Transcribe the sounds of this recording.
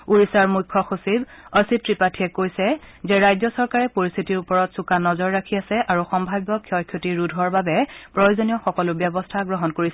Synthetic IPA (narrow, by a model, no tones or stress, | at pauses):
uɹisaɹmukʰːɔxosibɔsitɹipatʰiɛkojsɛzɛɹajzɔsɔɹkaɹɛpoɹist̪ʰitiɹupɔɹɔtsukanɔzɔɹːakʰiasɛʔaɹuxɔmbʱajbɔkʰjɔjkʰjotiɹudʱɔɹbabɛpɹɔjozonijɔxɔkɔlʊbjɛbɔstʰaɡɹɔɦɔnkoɹisɛ